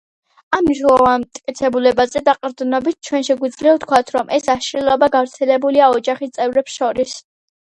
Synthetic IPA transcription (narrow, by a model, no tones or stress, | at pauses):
amːniʃnɛlˠɔvant̪ʼkʼit̪sʰɛbulɛbazɛd̪aqʼɾd̪nɔbit̪̚t͡ʃʰwɛnʃɛɡwid̪zliɔt̪̚ʰkʰwat̪ʰɾɔmʔɛsaʃɾilˠɔbaɡavɾt̪sʰɛlɛbuliaɔd͡ʒaχist̪sʼɛvɾɛpsʃɔɾis